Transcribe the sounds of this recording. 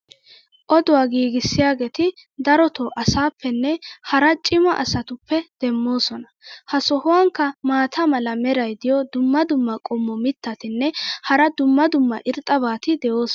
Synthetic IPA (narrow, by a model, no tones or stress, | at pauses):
ʔɔd̪ʊwaːɡiːɡɪsːɪjaːɡeːt̪ɪd̪ɐɾɔt̪oːʔɐsaːpːɛnːɛhɐɾɐt͡ʃʼɪmɐʔɐ̰sɐt̪ʊpːɛd̪̥ɛmːo̞ːsɔnɐhɐsɔhʊwaŋkːɐmaːt̪ʰɐmɐlɐmɛɾɐjd̪ɪjɔd̪ʊmːɐd̪ʊmːɐkʼɔmːɔmɪt̪ːɐt̪ɪnːɛhɐɾɐd̪ʊmːɐd̪ʊmːɐʔɪɾt̪ʼɐbaːt̪ɪd̪ɛjoːs